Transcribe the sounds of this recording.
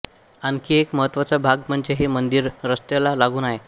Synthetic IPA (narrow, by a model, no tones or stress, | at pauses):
ankiːekməɦət̪ʋat͡sabʱaɡm̤əɳd͡ʑeɦemənd̪iɾɾəst̪elalaɡuːnaɦe